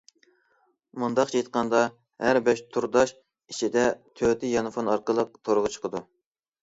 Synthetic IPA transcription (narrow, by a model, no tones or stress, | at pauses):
mund̪ɑqt͡ʃʰejt̪̚qɑnd̪ɑ | hæɾbɛʃt̪ʰuɾd̪ɑʃ | it͡ʃʰid̪ɛt̪ʰøt̪ɪjɑnɨfonɑɾqəlˠəq̚t̪ʰoɾʁət͡ʃʰə̥qʰəd̪u